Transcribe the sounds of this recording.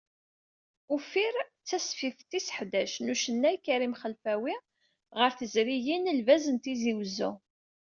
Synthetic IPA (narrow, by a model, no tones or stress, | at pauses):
ufiɾt͡sːæsfiθt̪ːisə̥ħd̪æʃnuʃənːæjkːɾimχəlfæwi | ʁəɾθəzɾijinəlvæzənt̪iziwzu